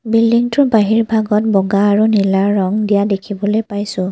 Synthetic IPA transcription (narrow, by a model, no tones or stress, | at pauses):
bildiŋtʊɹbaɦiɹbʱaɡɔtbɔɡaːɹunilaɹːɔŋdijadekʰibɔlojpajsʊ̃